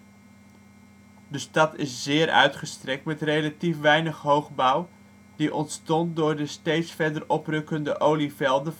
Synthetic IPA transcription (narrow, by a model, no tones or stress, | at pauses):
dəstɑtɪszɪːɾœ̰ɥtχəstrɛk̚tmɛtrejlatifʋɛjnəχɦowχbʌw | d̥iʔɔntstɔnt̚dʊːɹdəstejtsfɛɹdərɔprɵkəndəʔowlivɛlˠdə